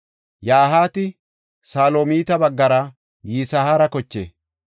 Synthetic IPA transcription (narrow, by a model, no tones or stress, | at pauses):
jaːɦaːt̪ɪ | saːloːmiːt̪ɐbɐɡːɐɾɐ | jiːsɐhaːɾɐkɔt͡ʃːḛː